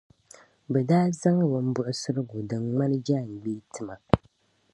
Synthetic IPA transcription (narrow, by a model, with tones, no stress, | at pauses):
bɛ˨daː˦za˦ŋ˦wʊ˨n̩˦bʊ˦ʔʊ˦sɨ˦ɾɨ˦ɡʊ˨dɨ˨ŋŋa˦nɨ˦d͡ʒaː˦˨n˨ɡ͡biː˦tʰɨ˨ma˨